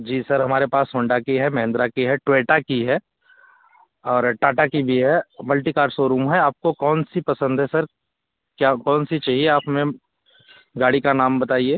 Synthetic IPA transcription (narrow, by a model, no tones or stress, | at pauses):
d͡ʒiːsɐɾɦɐmaːɾepaːshõːɳɖakiɦɛmɐɦɪ̃nd̪ɾakiɦɛʈʋeːʈakiɦɛ | ɔːɾʈaːʈakibʱiɦɛmɐlʈikaːɾsoːɾuːmɦɛaːp̚kokɔːnsipɐsə̃nd̪ʱɦɛsɐɾ | kjakɔːnsit͡ʃaːɦieaːpmẽ | ɡaːɽikanaːmbɐt̪aːieː